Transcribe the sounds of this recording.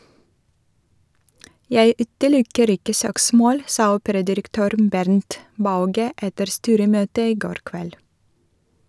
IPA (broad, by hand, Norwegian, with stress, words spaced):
ˈjæɪ ˈʉːtəˌlʊkəɾ ˈɪkə ˈsøːkˌsmoːl ˈsɑː ˈuːpəɾɑdɪɾəkˌtøːɾ ˈbæɾnt ˈbɑʉɡə ˈɛtəɾ ˈstyːɾəˌmøːtə ˈiː ˈɡoːɾ ˈkʋɛl